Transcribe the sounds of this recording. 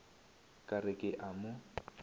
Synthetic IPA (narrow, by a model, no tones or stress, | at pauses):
kʼarɪkʼɪʔamʊ